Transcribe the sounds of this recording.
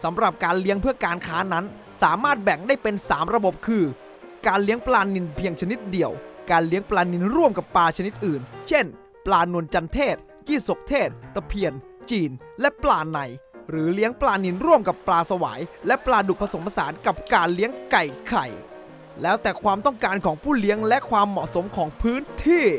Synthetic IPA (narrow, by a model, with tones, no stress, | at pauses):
sa˩˦mɾa˨˩p̚kaː˧nli˦˥əŋpʰɯ˥˩əkaː˧nkʰaː˦˥na˦˥n | saː˩˦maː˥˩t̪̚bɛ˨˩ŋdaː˥˩jpe˧nsaː˩˦mɾa˧bo˨˩p̚kʰɯː˧ | kaː˧nli˦˥əŋplaː˧ni˧npʰi˧əŋt͡ɕʰa˧ni˦˥t̪̚di˨˩əwkaː˧nli˦˥əŋplaː˧ni˧nɾu˥˩əmka˨˩pːaː˧t͡ɕʰa˧ni˦˥t̪̚ʔɯː˨˩nt͡ɕʰe˥˩n | plaː˧nu˧ənt͡ɕa˧nt̪ʰeː˥˩t̪̚ | kiː˥˩so˨˩k̚t̪ʰeː˥˩t̪̚ːa˧pʰi˧ən | t͡ɕiː˧n | lɛ˦˥plaː˧na˨˩jɾɯː˩˦li˦˥əŋplaː˧ni˧nɾu˥˩əmka˨˩pːlaː˧sa˧wa̰ː˩˦jlɛ˦˥plaː˧du˨˩k̚pʰa˧so˩˦mpʰa˧saː˩˦nka˨˩p̚kaː˧nli˦˥əŋka˨˩jkʰa˨˩j | lɛː˦˥wt̪ɛː˨˩kʰwaː˧mt̪ɔ˥˩ŋkaː˧nkʰɔː˩˦ŋpʰuː˥˩li˦˥əŋlɛ˦˥ʔkʰwaː˧mːɔ̰˨˩ʔso˩˦mkʰɔː˩˦ŋpʰɯː˦˥nt̪ʰiː˥˩